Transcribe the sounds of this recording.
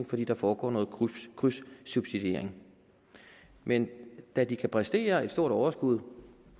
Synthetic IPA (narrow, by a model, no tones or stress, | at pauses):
ŋfɒ̽d̥ḭːd̥ɑ̈fɒːɡ̥ɒ̰ːnɔ̽ːð̩ˠʰkʰʁysːub̥sid̥e̝ɐ̰e̝ŋ | mend̥æd̥ikʰæpʰʁɛsd̥e̝̰ːɐe̝d̥sdo̝ɐ̰d̥ɒʊɐsɡ̥uð̞̰ˠ